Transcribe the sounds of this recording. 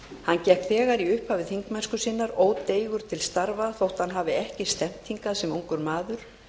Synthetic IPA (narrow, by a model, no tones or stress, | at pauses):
hancɛhpθɛːɣaɾiʏhphaːvɪθiŋkmɛnskʏsiːnaɾoːwt̪eːjɣʏɾ̥t̪ʰɪlst̪aɾvaθowht̪hanɦaːvɪɛhcɪst̪ɛm̥t̪hiŋkasɛmuwŋkʏɾmaːðʏɾ̥